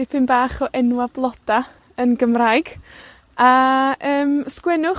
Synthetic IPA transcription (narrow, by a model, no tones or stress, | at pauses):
ɪpʰɪnbaːχɔʔɛnwablˠɔd̥a | ənɡəmraɨɡ̥ | aəːmskwɛnʊ